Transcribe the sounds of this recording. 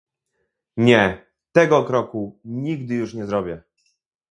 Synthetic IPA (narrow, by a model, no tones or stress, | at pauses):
ɲɛ | t̪ɛɡɔkɾɔkuɲiɡd̪ɘjuʂɲɛzɾɔbʲjɛ